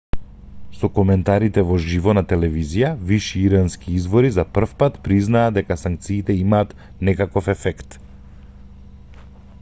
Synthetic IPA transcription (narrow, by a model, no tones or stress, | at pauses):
sɔkɔmɛnt̪aɾit̪ɛvɔʒivɔnat̪ɛlɛvizijaviʃiiɾanskiizvɔɾizapr̩fpat̪pɾiznaːd̪ɛkasaŋk̚t̪siːt̪ɛimaːt̪ | nɛkakɔfɛfɛkt̪